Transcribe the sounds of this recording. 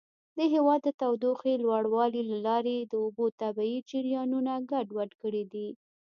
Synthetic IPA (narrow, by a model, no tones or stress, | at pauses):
d̪əɦewɑd̪ːət̪awd̪oxelwaɽwɑlilalɑɾed̪əʊbot̪abaid͡ʒɪɾjɑnunaɡaɖwaɖkəɽid̪i